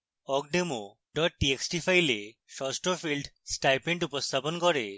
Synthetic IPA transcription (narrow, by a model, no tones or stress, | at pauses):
ɔkɖemo | ɖɔʈ̚ːieksʈifajleʃɔsʈɾofilɖsʈajpeɳɖupost̪ʰaponkɔɾe